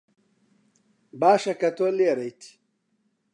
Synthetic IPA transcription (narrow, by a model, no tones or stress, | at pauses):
baːʃɐkɐt̪oliɐɾɐjt̪ʰi̥